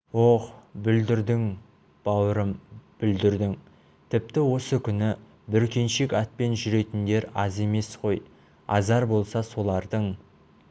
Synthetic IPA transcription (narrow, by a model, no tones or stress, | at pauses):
woχbʏld̪ɪɾd̪ɪŋ | b̥ɑwəɾəmb̥ʏld̪ɪɾd̪ɪŋ | t̪ʰɪp̚t̪ɪwo̞səkʲʰʏnɪ | bʏɾkʲe̞nʃe̞kʲɑt̪̚pe̞nʒʏɾe̞t̪ɪnd̪e̞ɾɑ̰ze̞me̞sqʰo̞j | ɑ̰zɑɾbo̞lˠsɑso̞lˠɑɾd̪əɴ